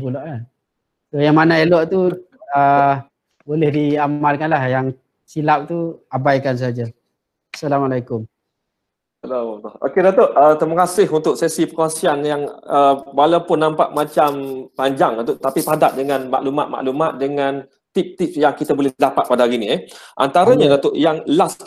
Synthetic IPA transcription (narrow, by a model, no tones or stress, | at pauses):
pulɔʔla | sojaŋmanaelɔʔt̪uə | bolɛhdiaalkanlahjaŋ | silap̚t̪uabajkans̬əɦad͡ʒa | asalamalajkʊm | halolɔo̰kedat̪oʔət̪əmakasɪɦunt̪ʊk̚sɛsipəkoasianjaŋəwalawpʊnːãmpaʔmat͡ʃampaɲd͡ʒaŋunt̪ʊʔt̪apipadaʔ̚dəŋãnma̰ʔluma̰t̪̚ma̰ʔlumat̪̚dəŋãn | t̪ip̚t̪ip̚jaŋkit̪abolɛdapat̪̚padaaɾiniɛʔa̰nt̪aɾaɲadat̪oʔjaŋlas